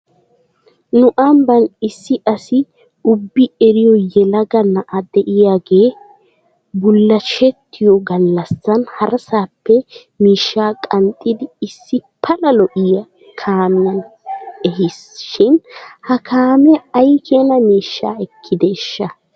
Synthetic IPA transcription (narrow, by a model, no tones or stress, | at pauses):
nʊʔɐmbɐnɪsːɪɐsɪ | ʊbːɪɛɾɪjɔjɛlɐɡɐnɐʔɐd̪ɛʔɪjaːɡeː | bʊlːɐt͡ʃɛt̪ːɪjɔɡɐlːɐsːɐnhɐɾɐsaːpːɛ | miːʃːaːkʼɐnt̪ʼːɪd̪ɪːsːɪpʰɐlɐlɔʔɪjɐ | kʰaːmɪjɐnɛɦɪsʃɪnhɐkʰaːmɛɐjkʰɛɐnɐmiːʃːaːɛkʰːɪd̪ɛʃːɐ